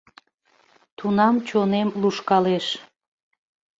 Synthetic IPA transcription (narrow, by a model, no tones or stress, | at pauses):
t̪unɑmt͡ɕonemluʃkɑleʃ